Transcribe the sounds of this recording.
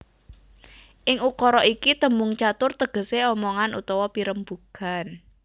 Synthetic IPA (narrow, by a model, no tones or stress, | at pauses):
ʔɪŋukɔɾɔʔikit̪əmʊŋt͡ʃat̪ʊrt̪əɡ̥ə̤seɔmɔŋanʔṵt̪ɔwɔpiɾəmbukan